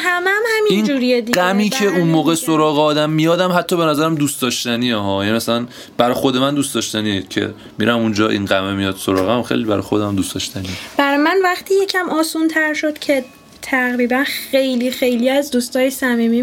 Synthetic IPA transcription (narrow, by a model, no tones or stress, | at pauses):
hæmææmhæmiind͡ʒuːɾied̪iɡæmiːkʰeunmoːɣesoɾɒːɣeɒːd̪æmːijɒːd̪æmhæt̪ʰːɒːbe̞næzæɾæmd̪uːst̪d̪ɒʃt̪ænieɦɒːjaænimæsælæn | b̥æɾɒjxod̪emænd̪ust̪ɒʃt̪æniecʰḛ | mḭɾʔæmund͡ʒɒːʔḭnɡæmemijɒd̪̥soɾɒːɣæmxḛjlibæɾɒ̰jxod̪æmd̪usd̪̥ɒʃt̪ænieb̥æɾɒjmænvæχt̪ʰiːjecʰæmɒːsunt̪ʰæɾʃo̞d̪̥cʰe̞ | t̪ʰæɣɾiːbænxejlixe̞jliæzd̪uːst̪ɒːjesæmiːmiː